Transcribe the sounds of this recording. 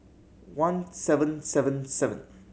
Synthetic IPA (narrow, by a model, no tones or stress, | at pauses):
wãnsɛvə̃nsɛvə̃nsɛvə̰̃n